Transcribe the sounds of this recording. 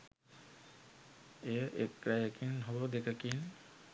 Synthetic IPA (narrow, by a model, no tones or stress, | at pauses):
ejəʔekɾajəkinɦobəd̪ekəkin